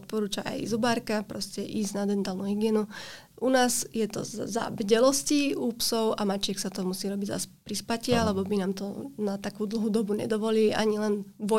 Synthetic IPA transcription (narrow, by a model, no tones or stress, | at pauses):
ɔt̪̚pɔɾuːt͡ʃaa̰jzubaːɾkapɾɔscɛʔiːzɟnad̪ɛnt̪alnuːɦiɡɪɛnu | ʔunaːzjɛt̪ɔ̰za̰ʋɟɛlɔsciupsɔʊʔamat͡ʃɪɛksat̪ɔmusiːɾɔbiɟza̰spɾispacɪalɛbɔbinaːmt̪ɔ̰nat̪akuːd̪l̩ɦuːd̪ɔbuɲɛ̰d̪ɔʋɔliːʔa̰ɲilɛnʋɔ